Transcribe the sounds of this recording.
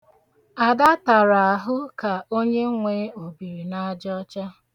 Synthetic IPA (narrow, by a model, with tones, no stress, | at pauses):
a˨da˦ta˨ɾa˨a˨ɦʊ˦ka˨o˦ɲe˦ŋʷe˦o˨bi˨ɾi˨na˦d͡ʒɔ˦t͡ʃa˦